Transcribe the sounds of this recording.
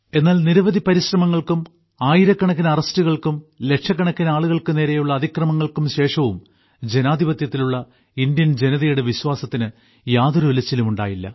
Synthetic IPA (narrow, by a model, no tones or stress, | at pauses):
e̞nːaːlniɾɐʋɐðipɐɾiɕrɐmɐŋːɐɭkum | aːjiɾɐkːɐɳɐk̬ːinɐɐrɐstuɣɐɭkumle̞kʂɐkːɐɳɐkːinɐaːɭuɣɐɭkɨne̞ːɾe̞juɭːɐːd̪ʱikrɐmɐŋːɐɭkumɕe̞ːʂɐʋum | d͡ʑe̞naːd̪ʱibɐt̪jɐt̪ːiluɭːɐ | ind̪jɐnd͡ʑe̞nɐðɐjuɽe̞ʋiɕwaːsɐt̪ːinɨ | jaːðoɾʋilɐt͡ɕːilumuɳɖaːjilːɐ̰